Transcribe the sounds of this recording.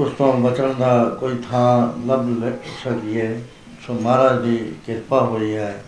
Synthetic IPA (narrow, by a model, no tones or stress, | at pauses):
ʊst̪õbət͡ʃəɽnd̪akoːit̪ʰãːləblesək̪iɛː | somaːɾaːd̪iːkɪɾpaɦoːiɦɛː